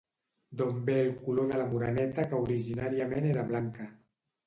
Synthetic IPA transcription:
d̪ombeːlˠkuloðəlamuɾanɛt̪akəuɾiʒinaɾiameneɾaβlaŋka

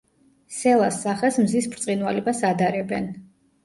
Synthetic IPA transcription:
sɛlˠasːaχɛsmzispʰɾt̪sʼinwalɛbasad̪aɾɛbɛn

